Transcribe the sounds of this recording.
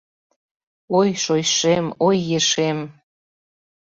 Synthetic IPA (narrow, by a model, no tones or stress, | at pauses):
ojʃojʃemojːeʃem